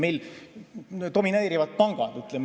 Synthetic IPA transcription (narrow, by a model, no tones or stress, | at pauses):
mejl | t̪o̞mineːɾivɑt̪̚pɑŋɡ̥ɑd̪̥yt̪ˑlɛm